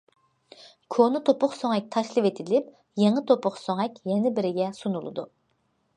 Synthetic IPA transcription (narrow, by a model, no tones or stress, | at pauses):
kʰonɨt̪ʰopʰʊχsoŋɛk̚ʲt̪ʰɑʃlˠɨvet̪ʰɪlɪp̚ | jeŋət̪ʰopʰʊχsoŋɛkʲjɛnɪbɪɾɪɡʲɛsunulˠɨ̰d̪u